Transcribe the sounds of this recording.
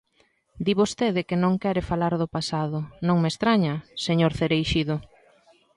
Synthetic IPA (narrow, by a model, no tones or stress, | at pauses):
d̪iβost̪eðɪkɪnõŋkɛɾɪfalaɾðʊpasaðʊnõŋmest̪ɾaɲɐseɲoɾθeɾejʃiðʊ